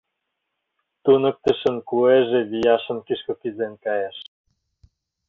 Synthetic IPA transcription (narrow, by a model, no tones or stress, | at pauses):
t̪unə̆k̚t̪ə̆ʃə̆nkueʒĕβijɑʃə̆nkiʃkokizenkɑjeʃ